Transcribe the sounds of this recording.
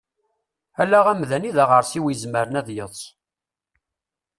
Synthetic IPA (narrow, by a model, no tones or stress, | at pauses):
ælːæʁæmðæniðæʁəɾsiwijəzməɾənæðjəðˤs